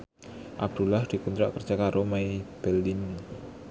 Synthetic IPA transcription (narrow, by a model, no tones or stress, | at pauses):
ʔab̚d̪̥ulahd̪̥i̤kunt̪ɾaʔkərd͡ʒʒ̥akaɾʔomaib̥ɛlːin